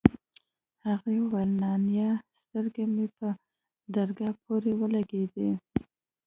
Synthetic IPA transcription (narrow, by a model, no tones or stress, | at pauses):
haɣewalnɑnjɑst̪əɾɡamepə | d̪aɾɡɑpʰoɾewəlaɡed̪e